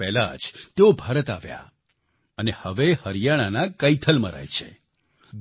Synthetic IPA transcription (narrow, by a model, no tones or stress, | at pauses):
ɛla̰d͡ʒt̪eobʱaɾət̪a̰ʋja̰ | ənehəʋehəɾjaɽ̃anakəit̪ʰəlmə̰ɾa̰jt͡ʃʰḛ